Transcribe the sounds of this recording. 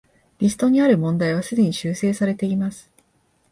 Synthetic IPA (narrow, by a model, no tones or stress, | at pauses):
ɾʲisɨ̥t̪o̞ɲ̟iaɾɯ̟mõ̞nd̪aiβ̞asɨd̪e̞ɲ̟iɕɨːse̞ːsaɾe̞t̪e̞imasɨ̥